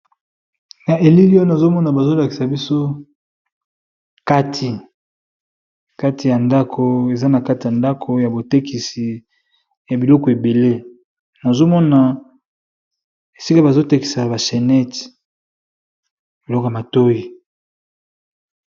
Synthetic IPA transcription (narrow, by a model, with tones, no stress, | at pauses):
na˨ʔe˨li˦li˦na˨zo˦mɔ˦na˨ba˨zo˦la˨ki˨sa˨bi˦so˦ | ka˦tʰi˨ | ka˦tʰi˨ja˨nda˦kʰo˦e˨za˦na˨ka˦ti˨ja˨nda˦kʰo˨ja˨bo˨te˦kʰi˨si˨ | ja˨bi˨lɔ˦kɔ˨e˨be˨le˦ | na˨zo˦mɔ˦na˨ | e˨si˦ka˦ba˨zo˦te˦ki̥˨sa˨ba˨ʃɛ˨nɛ˦t | bi˨lɔ˦ka˨ma˨to˦i˨